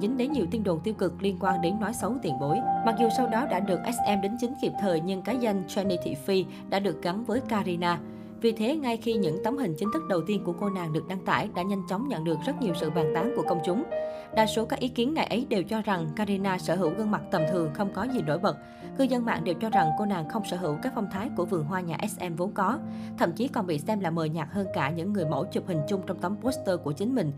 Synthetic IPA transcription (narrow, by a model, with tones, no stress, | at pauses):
zï˨˦ŋ̟ɗe˨˦nɲi˨˩əwt̪i˧ənɗo̰˧˨˩nt̪i˧əwkɨ˨˩k̚li˧ənkwaː˧nɗe˨˦nːɔ˨˦jsə˨˦wt̪i˧˩ənɓo˨˦jma˨˩k̚zu˨˩sa˧wɗɔ˨˦ɗa̰ː˧˥ɗɨ˨˩ək̚ʔɛ˦˥s̚ʔɛ˧mɗe˨˦nt͡ɕï˨˦ŋ̟ki˨˩əp̚t̪ʰəː˨˩jɲɨ˧ŋkaː˨˦jza˧jŋ̟t͡ɕwɛ˧ni˧t̪ʰḭ˧˩fi˧ | ɗa̰ː˧˥ɗɨ˨˩ək̚ɣa˨˦nvəː˨˦jkaː˧zi˧naː˧ | vi˨˩t̪ʰe˨˦ŋa˧jxi˧ɲɨ̰˧˥ŋt̪ə˨˦wŋ͡mɦï˨˩ŋ̟t͡ɕï˨˦ŋ̟t̪ʰɨ˦˥k̚ɗə˨˩wt̪i˧ənku˧˩əko˧naː˨˩ŋɗɨ˨˩k̚ɗa˧ŋt̪a̰ː˧˩jɗa̰ː˧˥ɲa˧jŋ̟t͡ɕɔ˨˦wŋ͡mɲə̰˧˨nɗɨ˨˩ək̚zə˦˥t̚ɲi˨˩əwsɨ̰˧˨ɓaː˨˩nt̪aː˨˦ŋku˧˩əkə˧wŋ͡mt͡ɕʊ˨˦ŋ͡m | ɗa̰ː˧˨jso˨˦kaː˦˥k̚ʔi˨˦ki˨˦ənŋa̰˨˩jʔə˨˦jɗe˨˩wt͡ɕɔ˧za˨˩ŋkaː˧zi˧naː˧səː˧˩ɦɨ̰˧˩wɣə˧ŋma˨˩k̚t̪ə˨˩mt̪ʰɨ˨˩əŋxə˧wŋ͡mkɔ˨˦zi˨˩no̰˧˥˨jɓə˨˩t̚ | kɨ˧zə˧nma̰ː˧˨ŋɗe˨˩wt͡ɕɔ˧za˨˩ŋko˧na̰ː˨˩ŋxə˧wŋ͡msə̰ː˧˩ɦɨ̰˧˩wkaː˦˥k̚fa˧wŋ͡mt̪ʰaː˨˦jku˧˩əvɨ˨˩əŋɦwaː˧ɲaː˨˩ʔɛ˦˥sʔɛ˧mvo˨˦nkɔ˨˦ | t̪ʰə̰˧˩˨mt͡ɕi˨˦kɔ˨˩nɓḭ˧˨sɛ˧mlaː˨˩məː˨˩jɲaː˨˩k̚həː˧nkaː˧˩ɲɨ̰˧˥ŋːɨ˨˩əjmo̰˧˥t͡ɕu˨˩p̚hï˨˩ŋ̟t͡ɕʊ˧ŋ͡mt͡ɕɔ˧wŋ͡mt̪ə˨˦wŋ͡mpo˦˥st̪əː˧ku˧˩ət͡ɕï˨˦ŋ̟mï˨˩ŋ̟